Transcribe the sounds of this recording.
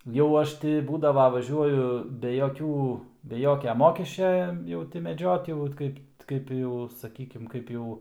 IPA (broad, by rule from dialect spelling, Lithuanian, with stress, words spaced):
jɛʊ ˈɐʃ tʲɪ ˈbuːdɐʋɐ ʋɐˈʒʲuɔjʊ bʲɛ joːˈkʲuː bʲɛ ˈjoːkʲɛ ˈmoːkʲɛsʲt͡ʃʲɛ ˈjɛʊ tʲɪ mʲɛˈd͡ʒʲoːt jɛʊ ʋɐt ˈkɐɪp ˈkɐɪp jɛʊ sɐˈkʲiːkʲɪm ˈkɐɪp jɛʊ